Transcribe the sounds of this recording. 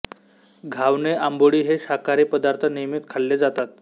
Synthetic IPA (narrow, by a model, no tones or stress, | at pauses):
ɡʱaʋneʔamboɽiːɦeɕakaɾipəd̪aɾt̪ʰənijəmit̪kʰalːed͡zat̪at̪